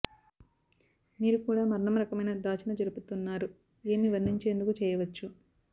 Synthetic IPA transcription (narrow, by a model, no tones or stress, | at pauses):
miːɾukuːɽaːmɐɾɳɐmɾɐkɐmɐjnɐd̪aːt͡ʃɐnɐd͡ʒɐɾuput̪unːaːɾu | e̞ːmiʋɐɾnːiɲt͡ʃe̞ːnd̪ukut͡ʃɛːjɐʋɐt͡ʃːu